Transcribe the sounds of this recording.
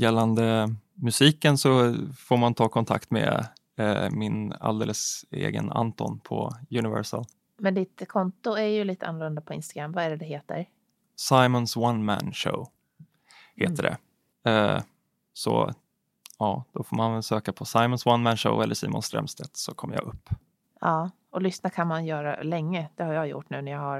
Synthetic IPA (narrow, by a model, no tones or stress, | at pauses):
jɛlːand̪əmɵsiːkənsɔfoːɾmant̪ʰɑːkʰɔnt̪ʰakt̪me | mɪna̰ld̪eːləsḛːɡəna̰nt̪ɔnpʰɔjʉnɪvɛɾʂəl | mɛnd̪ɪt̪kʰɔnt̪ʊæɾjɵliːt̪əanːlɵnd̪apʰɔɪ̰nst̪aɡɾamːvaæɖɛd̪ɛɦeːt̪ə̰ɾ | sajmɔnswanmænʂo̰ʊ | heːt̪əɖɛ̰ | ɛ | sɔ | ɑːd̪̥ɔfoːmanvɛlsøːkapʰɔsajmɔnswanmænʂəʊʔɛlːəʂiːmʊnst̪ɾɛ̰mst̪ʰɛt̪sɔkʰɔmːjɑ̰ʔɵpː | ɑː | ɔlʏsnakʰanmanjœːɾa̰lɛŋːəd̪̥ɛhaɾjɑjʊ̰ʈːnʉ̟ːnæjahaɾ